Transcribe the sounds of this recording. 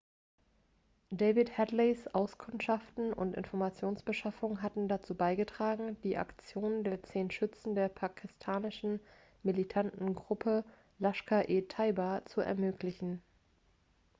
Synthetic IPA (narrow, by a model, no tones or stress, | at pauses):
d̥eɪvɪthɛtlesʔaʊskʰʊntʃaftn̩ʊ̰ntʔɪ̰nfɔɐmat͡sjoːnsb̥əʃafʊŋɦatn̩dat͡suːbaɪɡətʁ̥aːɡŋ̩d̥iːʔa̰kt͡sjoːnəndeːɐt͡seːnʃʏt͡sn̩deːɐpʰakʰɪstʰaːnɪʃn̩ | militʰantn̩ɡʁʊpʰə | laʃkaʔeːtʰaɪbat͡suɛ̰ɐmøːklɪçn̩